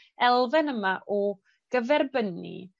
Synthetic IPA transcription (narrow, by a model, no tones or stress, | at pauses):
ɛlˠvɛnəmaʔɔ | ɡ̥əvɛrbənḭ